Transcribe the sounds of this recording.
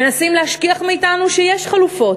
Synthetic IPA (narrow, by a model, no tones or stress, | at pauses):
menasimlehaʃkiaχmiːtanuʃejeʃχalufo̞t